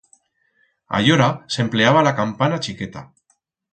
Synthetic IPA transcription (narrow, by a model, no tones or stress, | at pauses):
a̰joɾasempleaβ̞alakampanat͡ʃiket̪a̰